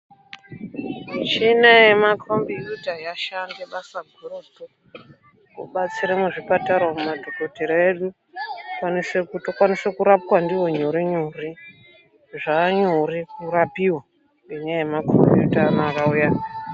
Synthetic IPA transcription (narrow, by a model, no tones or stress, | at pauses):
t͡ʃinajemakrombijutajaʃandeɓasaɡʱeroto | kṵɓat͡siɾemuʐipataɾwomumadʱoko̞teɾaeɗu | kwanisekutokwanisekuɾapkwandiwo̞ɲuɾiɲuri | ʐaːɲurikurapiwa | ŋɡeɲajemakrombijṵtaːnoakauja